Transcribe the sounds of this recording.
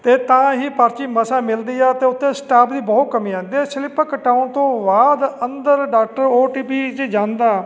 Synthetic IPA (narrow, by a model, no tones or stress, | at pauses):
t̪eːt̪ãːɦiːpəɾt͡ʃiːməsaːmɪld̪iːɛːt̪eːʊt̪ʰːẽːsʈaːpʰd̪iːbɔːt̪̚kəmĩːãːnd̪iːɛːsɪlɪpəkəʈaːʊnt̪õːbaːd̪ənd̪əɾɖaːk̚ʈəɾoːʈiːpiːd͡ʒed͡ʒãːnd̪aː